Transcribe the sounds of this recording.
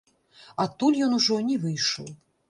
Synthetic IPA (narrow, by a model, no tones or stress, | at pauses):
at̪ːulʲjɔnuʐɔnʲɛvɨjʂɔ̰w